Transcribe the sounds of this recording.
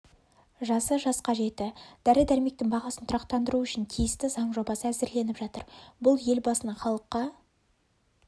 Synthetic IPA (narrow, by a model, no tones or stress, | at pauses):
ʒɑsəʒɑsqɑʒe̞t̪ːɪd̪̥æɾɪd̪æɾme̞k̚t̪ɪŋbɑʁɑsənt̪ʰʊɾɑqt̪ɑnd̪əɾuʏʃɪnt̪ʰijɪst̪ɪzɑɴʒo̞bɑsəæzɪɾle̞nɪpʒɑt̪əɾbʊlˠje̞lbɑsənɑχɑlˠəqːɑ